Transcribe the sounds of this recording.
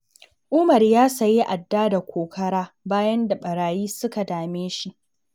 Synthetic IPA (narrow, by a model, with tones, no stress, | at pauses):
ʔʊ˦mɐ˨rjaː˦sɐ˨ji˦ʔa˨dːaː˦da˨kʷoː˨kʰɐ˦ɽaː˦ | baː˦jɐ˦nda˨ɓɐ˨ɽaː˨jiː˦sʊ˦ka˨daː˨meː˦ʃi˦ʔ